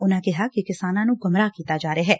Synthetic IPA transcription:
ʊnãːkɪɦaːkɪkɪsaːnãːnũːɡʊmɾaːkiːt̪aːd͡ʒaːɾeaːɦɛː

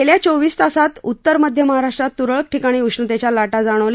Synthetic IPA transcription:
eljat͡soʋiːst̪asat̪ut̪ːəɾməd̪ʱjəməɦaɾaʂʈɾat̪ːuɾəɭək̚ʈʰikaɽ̃iːuʂnət̪et͡ɕjalaʈad͡zaɽ̃əʋl

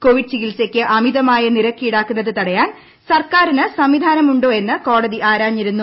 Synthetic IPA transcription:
ko̞ʋiɖ̚t͡ɕiɣilsekʲːɨʔɐmiðɐmaːjɐniɾɐkːijiɽaːkːunːɐðɨt̪ɐɽɐjaːn | sɐrkaːɾinɨsɐmʋid̪ʱaːnɐmuɳɖo̞ːe̞nːɨko̞ːɽɐðiʔaːɾaːɲːiɾunːu

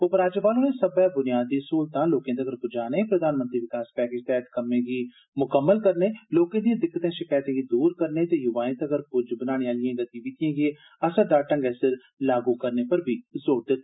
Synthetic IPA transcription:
oːpəɾaːd͡ʒəpaːloeːsəbɛːbʊnɪjaːd̪iːsoːlt̪ãːloːkẽːd̪əɡəɾpʊd͡ʒaːneːpɾəd̪aːnmənt̪ɾiːʋɪkaːspɛːkeːd͡ʒt̪ɛːɦt̪kəmẽːɡiː | mʊkəmːəlkəɾneːloːkãːd̪ijãːd̪ɪkːət̪ẽːʃɪkaːjt̪ẽːɡiːd̪uːɾkəɾneːt̪eːjʊʋaːɪ̃t̪əɡəɾpʊd͡ʒbənaːɽ̃eːaːlɪjãːɡət̪ĩːʋɪt̪ɪjãːɡeː | əsəd̪aːʈə̃ŋɡɛːsɪɾ | laːɡuːkəɾneːpəɾbʱiːzoːɽd̪ɪt̪ː

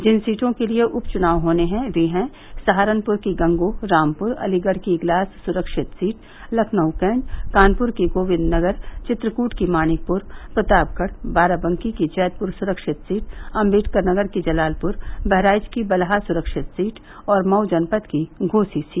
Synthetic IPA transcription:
d͡ʒɪnsiːʈõkelieʔʊpt͡ʃʊnaːʋɦoːneɦɛ̃ʋeːɦɛ̃ | sɐɦaːɾənpʊɾkiɡɐ̃ŋɡoɾaːmpʊɾɐ̰liɡəɽ̤kiːɡlaːsːʊɾəkʃɪt̪siːʈ | lɐkʰnəʊkɛ̃ːɳɖkaːnpʊɾkiɡoːʋɪd̪nɐɡəɾt͡ʃɪt̪ɾəkuːʈkimaːnɪk̚pʊɾpɾɐt̪aːb̚kəɽbaːɾabə̃ŋkikit͡ʃɛːt̪̚pʊɾsʊɾəkʃɪt̪siːʈɐ̃mbiːʈkəɾnɐɡəɾkid͡ʒɐlaːlpʊɾbɛɦɾaːɪd͡ʒkibɐlɦasʊɾəkʃɪt̪siːʈ | ɔːɾmɐʊd͡ʒənpət̪kiɡʱoːsisiːʈ

